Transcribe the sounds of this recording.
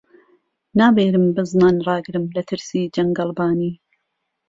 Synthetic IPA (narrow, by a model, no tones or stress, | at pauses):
naːbeːɾɨmbɨznaːnrˤɑːɡɨɾɨmlɐt̪ʰɨɾsiːd͡ʒɐŋɡɐlˠbaːniː